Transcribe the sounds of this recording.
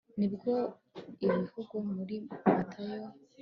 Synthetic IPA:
nibɡo | iβivuɡumuɾimatʰajo

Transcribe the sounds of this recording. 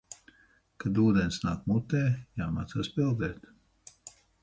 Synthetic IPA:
kad̪uːd̪ɛnsnaːkmut̪ɛːjaːma̰ːt̪saːspilˠd̪ɛːt̪

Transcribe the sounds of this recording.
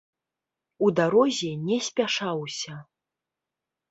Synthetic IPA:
ud̪aɾɔzʲɛnʲɛsʲpʲaʂawsʲɐ

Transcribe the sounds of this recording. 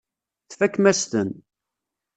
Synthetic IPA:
θfækːmæst̪ən

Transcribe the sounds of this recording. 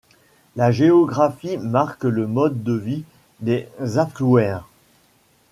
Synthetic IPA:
laʒeɔɡʁafimaʁkləmɔd̪ːəvi | d̪ezafluɛʁ

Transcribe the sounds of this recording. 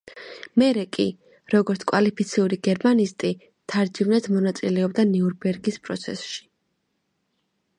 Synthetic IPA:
mɛɾɛkʼḭ | ɾɔɡɔɾt̪skʼwalipʰit̪sʰiuɾiɡɛɾmanist̪ʼi | t̪ʰaɾd͡ʒivnɛt̪ʰmɔnat̪sʼilɛɔbd̪aniuɾbɛɾɡispʼɾɔ̰t̪sʰɛ̰sʃi̥

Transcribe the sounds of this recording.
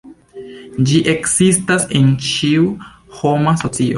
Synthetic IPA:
d͡ʒiʔe̞ksistasent͡ʃiu | ho̞maso̞t͡sio

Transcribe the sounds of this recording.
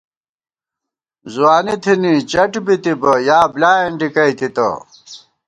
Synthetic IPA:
zuaːnit̪ʰinit͡ɕɐʈbit̪ibɐjaːblaːeɳɖikɐjt̪it̪ɐ̰

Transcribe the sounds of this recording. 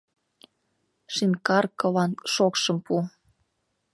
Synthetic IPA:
ʃinkɑrkɤ̆lɑnʃokʃɤ̆mpu

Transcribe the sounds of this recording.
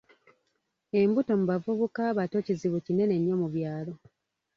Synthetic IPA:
e̞mbuto̞muβavuβukaβato̞ciziβucine̞ne̞ɲːo̞muβjaːlo̞

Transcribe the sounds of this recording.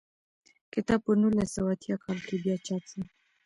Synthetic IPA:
kɪt̪ɑb̚pənulasawat̪jakʰɑlkebjɑt͡ʃɑt͡sa

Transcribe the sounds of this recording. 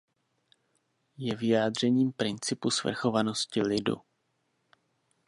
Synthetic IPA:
jɛvɪjaːdr̝ɛɲiːmpɾɪnt͡sɪpusvr̩xo̞vano̞scɪlɪdṵ

